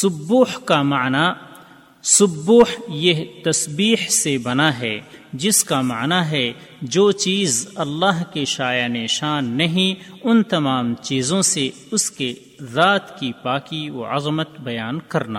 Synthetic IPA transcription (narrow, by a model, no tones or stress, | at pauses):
sʊbuːħkamaːna | sʊbuːħjeɦt̪ɐsbiːhsebɐnaɦɛːd͡ʒɪskamaːnaɦɛ | d͡ʒoːt͡ʃiːzɐlːaːɦkeʃaːjaneʃaːnːɐɦĩʊnt̪ɐmaːmt͡ʃiːzõse | ʊske | zaːt̪kipaːkio̰ɐzmət̪bɐjaːnkɐɾna̰